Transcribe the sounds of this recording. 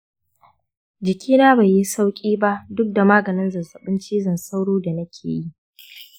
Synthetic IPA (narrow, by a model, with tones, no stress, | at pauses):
d͡ʒɪ˨kʲʰiː˦naː˦ba˨ji˦sa˦wkʲʼiː˦ba˦ʔdʊ˦k̚da˨maː˦ɡɐ˨nɪ˦nzɐ˨zɐ˨ɓɪ˦nt͡ʃiː˦zɐ˨nsa˦wɽuː˦da˨nɐ˦kʲʰḛː˨ji˦ʔ